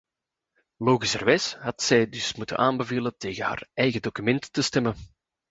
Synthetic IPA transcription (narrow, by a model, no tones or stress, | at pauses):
loːɣisə̰rʋɛsɦɑtsɛjdɵsmutə̰nʔaːmbəveːləteːɣəha̰ːrɛjɣədokymɛntːəstɛmən